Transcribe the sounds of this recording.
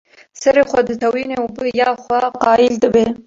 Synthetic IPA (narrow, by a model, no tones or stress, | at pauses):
səɾexwad̪ət̪awineubəjɑxwaqɑɪld̪əbe